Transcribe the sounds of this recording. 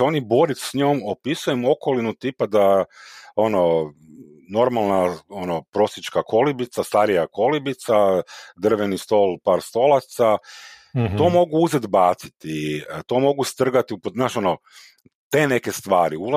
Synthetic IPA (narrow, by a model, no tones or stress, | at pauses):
eo̞nibo̞ɾisɲoːmo̞pisujemo̞ko̞linut̪ipad̪a | o̞no | no̞ɾmalˠnaonopɾo̞sit͡ʃkakʰo̞libit̪sast̪aɾijako̞libit̪sad̪r̩ʋenist̪o̞lˠpaːɾst̪o̞lˠat̪sa | t̪o̞ːmo̞ɡuuzed̪baːt̪si̥t̪it̪o̞mo̞ɡust̪r̩ɡat̪iuponaːʃo̞no | t̪e̞ːne̞ke̞st̪ʋaːɾiula